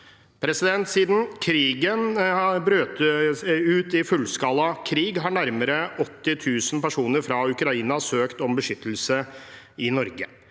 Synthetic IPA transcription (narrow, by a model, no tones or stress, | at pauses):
pʰɾɛsɪd̪ɛnt̪siːd̪n̩kʰɾiːɡənbɾøːt̪əʉːt̪ɪfʉlːskɑlːɑkʰɾiːɡɦɑɳæɾməɾəɔt̪ːɪt̪ʰʉːsn̩pæʂuːnəɾfɾɑʉkɾɑiːnɑsøːkt̪ɔmbəʂʏt̪ːəl̩sə | ɪnɔɾɡə